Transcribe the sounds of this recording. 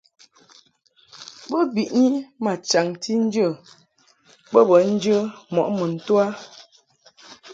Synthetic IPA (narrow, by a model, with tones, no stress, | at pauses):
bə˦bi˨ʔɲi˦ma˨t͡ʃa˨ŋtʰi˦n̩˦d͡ʒə˦˨ | bə˦bə˨˦n̩˦d͡ʒə˦mɔ˨ʔmə˨n̩˨twa˦